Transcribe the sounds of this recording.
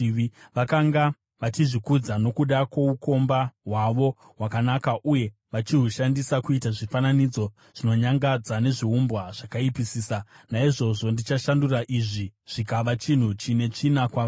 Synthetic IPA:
ʋakaŋɡa | ʋat͡ʃiʐikud͡zano̞kuɗakwouko̞mbaɦwaʋo̞ | ɦwakanakaʔuje̞ | ʋat͡ʃiɦuʃandisakuitaʐifananid͡zo̞ | ʐ̥ino̞ɲaŋɡad͡zane̞ʐiɦumbwaʐ̥akaipisiːsanaiʐo̞ʐo̞ndit͡ʃaʃanduraʔiʐiʐ̥ikaʋat͡ʃin̤ut͡ʃine̞t͡ʂinakwao

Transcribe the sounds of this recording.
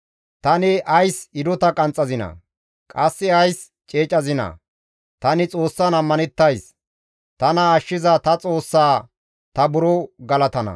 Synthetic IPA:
t̪ɐnɪʔɐjsɪd̪ɔt̪ɐkʼɐnt͡sʼːɐzɪnɐ̰ | kʼɐsːɪɐjs | t͡ʃʼeːt͡ʃʼɐzɪnɐ̰ | t̪ɐnɪt͡sʼo̞ːsːɐnɐmːɐnɛt̪ːɐjs | t̪ɐnɐːʃːɪzɐt̪ɐt͡sʼo̞ːsːaː | t̪ɐbʊɾɔɡɐlɐt̪ɐnɐ̰

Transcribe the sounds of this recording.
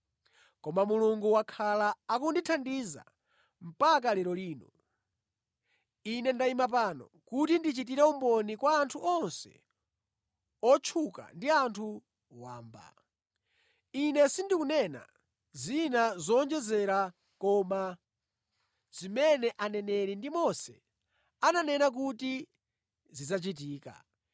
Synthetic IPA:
kɔmamuluŋɡuwakʰalaakunditʰandiza̰ | m̩pak̬alɛɾɔliːnɔ | inɛndaimap̬aːnɔ̰ | kutindit͡ʃit̬iɾɛumbɔnikwaːntʰuʔɔnsɛ̰ | ɔt͡ʃʰuka̰ndiantʰu | wa̰ːmba̰ | inɛsindikunɛna̰ | zinazɔːnd͡ʒɛzɛɾa | kɔma | zimɛnɛʔanɛnɛɾindimɔsɛ̰ | ananɛnak̬uti | zizat͡ʃit̬iːka̰

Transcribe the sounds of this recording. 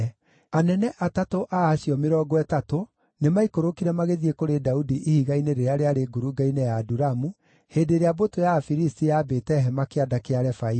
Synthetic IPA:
anɛnɛʔatatoʔaːɕiɔmeɾɔːɡɔɛtato | nemaikoɾokiɾɛmaɣeðiekoɾedaudiʔihiɣaineɾeɾeaɾeaɾeɡoɾuɡainɛjaːduɾamu | heːdeɾeabotojafiɾistijaːbetɛɦɛmakeadakeaɾɛfai

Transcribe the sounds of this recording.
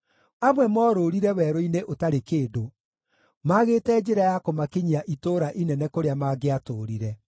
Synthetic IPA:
amwɛmɔːɾoːɾiɾɛwɛɾoineʔotaɾekeːdo | maɣeːtɛd͡ʒeɾajakomakeɲiaʔitoːɾaʔinɛnɛkoɾeamaɡeatoːɾiɾɛ

